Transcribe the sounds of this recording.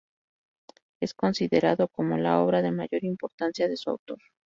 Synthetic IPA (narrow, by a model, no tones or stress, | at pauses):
e̞sko̞nsiðe̞ɾaðo̞ko̞mo̞̰lao̞βɾaðe̞maʝo̞ɾimpo̞ɾt̪ansjaðe̞sua̰wt̪o̞ɾ